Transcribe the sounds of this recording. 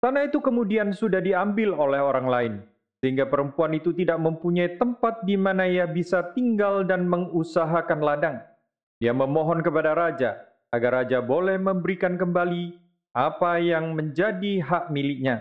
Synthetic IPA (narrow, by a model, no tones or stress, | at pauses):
sanait̪ukəmudiansudahdiambɪlolɛɦoɾaŋlaɪn | səɦiŋɡapəɾəmpuanit̪ut̪idaʔ̚məmpuɲait̪əmpat̪̚dimanaijabisat̪iŋɡaldanməŋusaɦakanladaŋ | diaməmɔɦɔnkəpadaɾad͡ʒa̰ | aɡarːad͡ʒabolɛhməmbəɾikankəmbali | ʔapajaŋməɲd͡ʒadiɦaʔmilɪk̚ɲa